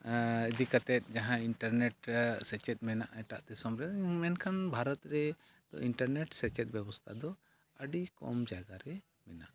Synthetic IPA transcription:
id̪ikat̪ɛt̪̚ˀd͡ʒaɦãiɳʈəɾnɛʈ̚sɛt͡ʃɛt̪̚ˀmɛnaʔɛʈaʔt̪ɛsɔmɾɛmɛnkʰanbʱaɾɔt̪ɾɛ | d̪̥ɔ̰ʔiɳʈəɾneʈsɛt͡ʃɛt̪̚bjɛbɔst̪ʰad̪ɔ | əɖikɔ̰md͡ʒaɡaɾɛ | mɛna̰ʔ

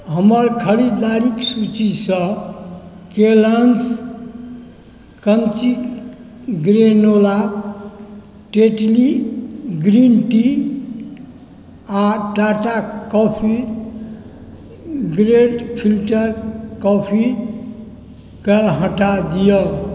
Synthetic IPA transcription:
ɦəməɾkʰəɽid̪aɾiksut͡ʃisə̃ | kelans | kənt͡ʃik | ɡɾenola | ʈeʈliɡɾinʈi | aʈaʈakɔpʰi | ɡɾeɖpʰilʈəɾkɔpʰi | kəɦə̃ʈad̪ijəl

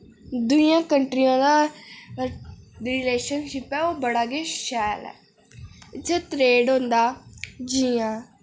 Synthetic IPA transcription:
d̪ʊijãːkəɳʈɾijãːd̪aː | ɾɪleːʃənʃɪpɛːoːbəɽaːɡeːʃɛːəlɛ̰ː | ɪt̪ʰːɛːt̪ɾeːɖɦõnd̪aːd͡ʒiːãː

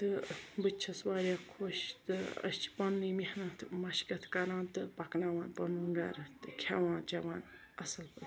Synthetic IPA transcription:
t̪ɨbɨt͡ʃʰɐswaːɾjaːkʰoːʃt̪ɨɐ̰st͡ʃʰi̥pɐnːɨmihnaːt̪ʰmɐʃkɐt̪ʰkɐɾãːnt̪ɨpɐknaʋaːnpɐnuŋɡa̰ɾɨt̪ɨkʲʰaʋãːnt͡ʃɐʋaːn | ɐsɨlpɨ

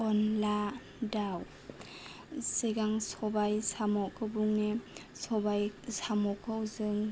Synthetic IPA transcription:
ɔnla | daw | siɡaŋsɔbajsamɔkʰɯbuŋnesɔbajsamɔkʰɯwzɯŋ

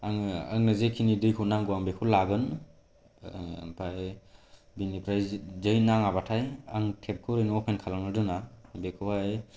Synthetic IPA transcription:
aŋaŋnɯzekʰinidɯjkʰonaŋɡuwaŋbekʰɯlaɡɯn | pʰaj | binipʰɾajzzɯjnaŋabatʰajaŋtʰep̚kʰɯɾɯjnɔpʰenkʰalaŋnɯdɯnabekʰɯaj

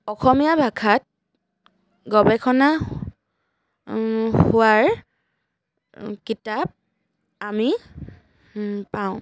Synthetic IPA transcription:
ɔxɔmijabʱakʰat̚ | ɡɔbɛkʰɔna | hʊwaɹ | kitap̚ | ami | paʊ̃

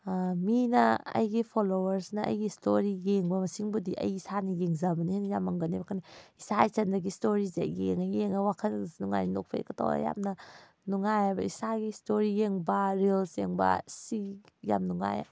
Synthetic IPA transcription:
minɐɐ̰jɡipʰolowɐɾsnɐʔɐ̰jɡistʰoɾijeŋbɐmɐsiŋbudiʔɐ̰jisanijeŋzabɐniheŋjamɐŋɡɐnibakʰanaisajsɐndɐɡistoɾizḛjeŋajeŋawakʰɐnsnuŋa̰jnino̰k̚pʰa̰kɐtʰo̰wa̰ja̰mnɐ | nuŋajabɐ̰isaɡistoɾijeŋbaɾelseŋbɐ̰si | ja̰mnuŋa̰ja̰

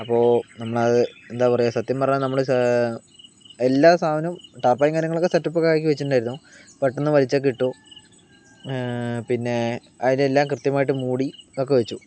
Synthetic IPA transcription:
ɐpːo̞ːnɐmːɐɭɐðɨend̪aːpɐrɐjasɐt̪ːjɐmpɐɐɲamnɐmːɐɭ | elːaːsʰaːbɐnɐmʈaːrpaːjiŋɡaːɾjɐŋːɐɭokːesɐtːupːokːaːk̬ʲːiʋet͡ɕːuʈːuɳɖaːjiɾunːupɐʈːenːɨʋɐlit͡ɕːak̬iʈːo | pinːe̞ | ɐðinelːaːmkrɨt̪jɐmaːjiʈːɨmuːɽio̞kːeʋet͡ɕːu

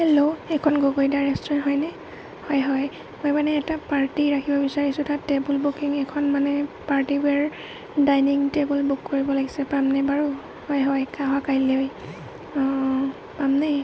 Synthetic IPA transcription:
ɛloɛkʰɔnɡoɡojdaɹɛstɹɛnɦɔjnɛ | hɔjɦɔj | mojmanɛɛtapaɹtiɹakʰibɔbisaɹisʊtatebulbukiŋɛkʰɔnmanɛpaɹtibɛɹ | dajniŋtebulbukːoɹibɔlaɡisɛpamnɛbaɹu | hɔjɦɔjkaɦwakajlej | pamnɛ

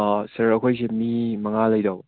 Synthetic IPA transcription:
sɐɾɐkʰojs̬emimɐŋalɐjdaw

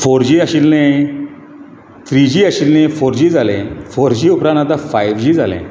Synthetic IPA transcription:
foɾd͡ʑiːaɕilne | t̪ɾid͡ʑiːaɕilnẽfoɾd͡ʑiːd͡zalẽfoɾd͡ʑiupɾãñat̪afajʋd͡ʑiːd͡zalḛ̃

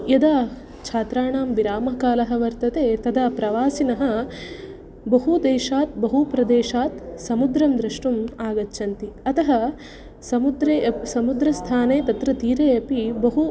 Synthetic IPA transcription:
jɐd̪aː | t͡ʃʰaːt̪ɾaːɳaːmʋiɾaːmɐkaːlɐɦɐ̆ʋɐɾt̪ɐt̪eːt̪ɐd̪ɐpɾɐʋaːsinɐɦɐ̆ | bɐɦud̪eːʃaːt̪̚bɐɦupɾɐd̪eːʃaːt̪sɐmud̪ɾɐmd̪ɾɐʂʈumaːɡɐtːʃʰɐnt̪iɐt̪ɐɦɐ | sɐmud̪ɾeːsɐmud̪ɾɐst̪ʰaːneːt̪ɐt̪ɾɐt̪iːɾeːɐpibɐɦu

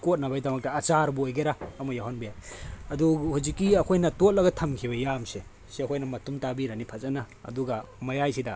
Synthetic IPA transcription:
kot̚nɐbajdɐmɐk̚tɐːt͡ʃaɾbuojɡeɾaɐmɐjaɦanbijajɐduhuzikːiɐkʰojnɐtot̚lɐɡɐtʰɐmkʰibɐjamse | siɐkʰojnɐmɐtumtabiɾɐnipʰɐt͡ʃɐnɐ | ɐ̰duɡɐmɐjajsidɐ

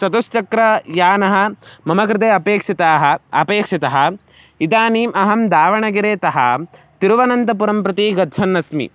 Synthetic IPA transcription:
sɐt̪ust͡ʃɐkɾɐjaːnɐɦɐ̆mɐmɐk̬ɾɪt̪̬eːɐpeːkʂit̪aːɦɐɐpeːkʂit̪ɐɦɐ | id̪aːniːmɐɦɐmd̪aːʋɐɳɐɡiɾeːt̪ɐɦɐ̰t̪iɾuʋɐnɐnt̪ɐp̬uɾɐmpɾɐt̪iːɡɐd̪d͡ʒɐnːɐsmḭ

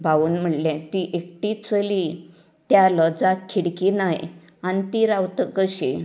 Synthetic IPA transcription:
bʱaʋuːnm̤əɽljãt̪iʔek̚ʈit͡səli | t̪jaləd͡zakʰːiɽkinaj | anit̪iɾawt̪əkəɕe

